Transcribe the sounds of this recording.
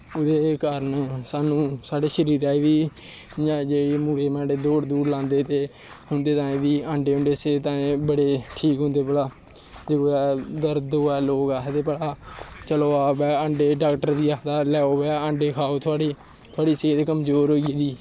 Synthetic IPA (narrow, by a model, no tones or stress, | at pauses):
ʊd̪eːkəɾənsaːnũːsaːɖeːʃəɾiːɾaːiːd̪iː | d͡ʒãːd͡ʒeːɽiːmuːɽeːmɛ̃ːɳɖeːd̪oːɽd̪uːɾlãːnd̪eːt̪eː | ɦʊ̃nd̪eːt̪ãːẽːd̪iːãːɳɖeːɦʊ̃ɳɖeːseːt̪ãːẽbəɽeːʈʰiːkɦʊ̃nd̪eːpəɽaː | d͡ʒeɡoɛːd̪əɾd̪oːɛːloːɡaːt̪eːpəɽaːt͡ʃəloːaːbɛːə̃ɳɖeːɖaːkʈəɾd̪iːaːd̪aːlɛːoːʋɛːə̃ːɳɖeːkʰaːoːt̪ʰʊaːɽiː | t̪ʰaːɽiːseːt̪ekəmzoːɾɦoːiːd̪iː